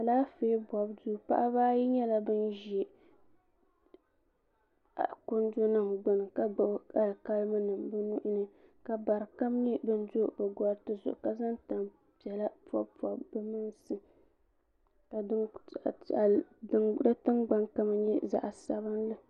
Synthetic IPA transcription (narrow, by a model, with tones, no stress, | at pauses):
ka˨laː˦feː˦bɔ˨bduː˦pa̰˦ʔa˦baː˦ji˦ɲɛ˦la˦bɨ˦nʒe˨ | a̰˨ko˦ndo˦nɨ˦˨mɡ͡bʊ˨n˨ka˨˦a˦˨lka˦lma˦nɨ˨mbɨ˦nu˦ʔʊ˦nɨ˦ka˨ba˨ɾɨ˨ka˦mnɨ˦bɨ˦n˦do˦bɨ˨ɡɔ˨ɾtɨ˦zʊ̰˨ʔʊ˨ka˨za˦nta˨m | pi˨ɛ˨la˦pɔ̰˦bpɔ˨bbɨ˦mɨ˦nsɨ˦ | ka˨˦˨ | da˦tɨ˦nɡ͡ba˦ŋka˦ma˦ɛ˦za̰˨ʔa˨sa˨˦bɨ˦nlɨ˦